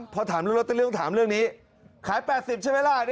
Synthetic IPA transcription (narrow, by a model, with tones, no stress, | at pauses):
mpʰɔ˧t̪ʰaː˨˩˦mlːlo˦˥t̪ːt̪ʰaː˨˩˦mɾɯ˥˩əŋniː˦˥ | kʰaː˩˦jpɛː˨t̪̚si˨˩p̚t͡ɕʰa˥˩jweː˧laː˧˩˨